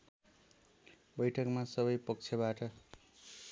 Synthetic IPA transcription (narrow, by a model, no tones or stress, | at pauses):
bʌjʈʰʌkmasʌβʌjpʌk̚t͡sʰʌbaʈʌ